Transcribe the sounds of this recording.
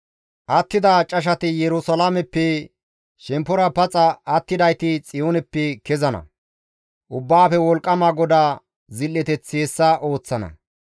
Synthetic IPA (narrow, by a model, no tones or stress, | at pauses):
ʔɐt̪ːɪd̪aːt͡ʃʼɐʃ̬ɐt̪ɪjɛɾʊsɐlamɛpːɛ | ʃɛmpːɔɾɐpɐt͡sʼɐɐt̪ːɪd̪ɐjt̪ɪt͡sʼɪjoːnɛpːɛkɛzɐnɐ̰ | ʔʊbːaːfɛwɔlkʼːɐmaːɡɔd̪aː | zɪlːɛt̪ɛt͡sːeːsːɐʔo̞ːt͡sːɐnɐ̰